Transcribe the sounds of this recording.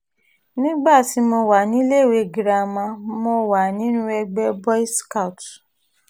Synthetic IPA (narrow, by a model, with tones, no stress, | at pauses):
nĩ˦ɡ͡ba˦˨ti˨˦mɔ˧wa˨nĩ˨˦le˦˨we˧˨ɡi˨ɾa˧˨mã˧mɔ̃˧wa˨nĩ˨˦nũ˦ɛ˧ɡ͡bɛ˦bɔ˦i˦ska˦u˨t